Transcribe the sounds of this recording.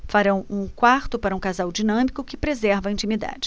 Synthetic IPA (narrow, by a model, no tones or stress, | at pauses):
faɾɐ̃w̃ũkwaɾt̪ʊpaɾɐũkazawd͡ʒinɐ̃mikʊkɪpɾezɛɾvɐĩnt͡ʃimid̪a̰d͡ʒɪ